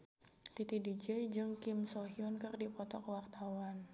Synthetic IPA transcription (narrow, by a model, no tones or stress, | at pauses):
t̪it̪idid͡ʒɛjd͡ʒɨŋkɪmsɔɦiɔnkɨrdipɔt̪ɔkəwart̪awan